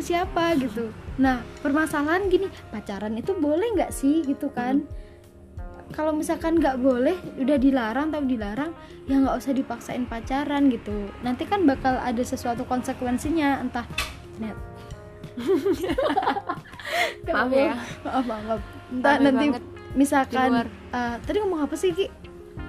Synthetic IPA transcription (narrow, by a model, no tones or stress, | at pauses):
siapaɡit̪unahpərmasalaɦanɡinipat͡ʃaɾanit̪ubolɛhŋɡaʔsɪhɡit̪ukan | kalowmisakanɡaʔbolɛhudahdilaɾaŋt̪apidilaɾaŋ | jaŋɡaʔusahdipaksaɪ̰npat͡ʃaɾanɡit̪unant̪ikanbakala̰dasəsuat̪ukɔnsəkwɛnsiɲaənt̪ah | nt̪̚ | ŋɡabolaʔbabap̚ | ənt̪anani | misalkan | ət̪adiŋomaŋɦapasɪhɡi